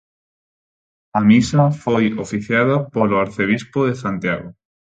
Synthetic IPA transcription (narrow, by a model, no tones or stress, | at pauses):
ɐmisafojofiθjaðɐpoloaɾθeβ̞ispʊðesant̪ja̰ɣo